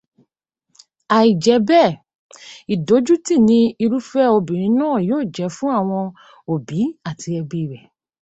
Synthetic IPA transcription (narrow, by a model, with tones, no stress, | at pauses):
a˨i˨d͡ʒɛ˨˦bɛ˦˨ | i˨do˨˦d͡ʒu˦ti˦˨nĩ˧i˧ɾu˦fɛ˦o˧bĩ˨ɾ̃ĩ˨˧˦nãː˦˨joː˦˨d͡ʒɛ˨˦fũ˦a˦˨w̃ɔ̃˧ | o˨bi˨˦a˦˨tʰi˧ɛ˧bi˨ɾɛ˨